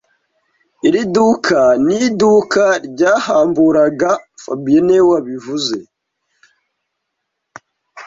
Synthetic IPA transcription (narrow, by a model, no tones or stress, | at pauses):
iɾidukʰanidukaɾɟaːhaːmbuɾaɡafa̰binewaβivuze̞